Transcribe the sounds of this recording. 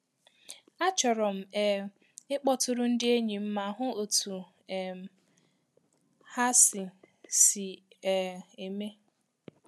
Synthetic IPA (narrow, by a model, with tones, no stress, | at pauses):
a˦t͡ʃɔ˨ɾɔ˨m̩˨ɛ˨ | ɪ˦k͡pɔ˦tʊ˦ɾʊ˦n̩˦dɪ˦e˦ɲi˨m̩˦ma˨ɦʊ˦o˨tʰu˨ | ɛ˨m˨ | ha˦sɪ˨ | si˨ɛ˨e˨me˦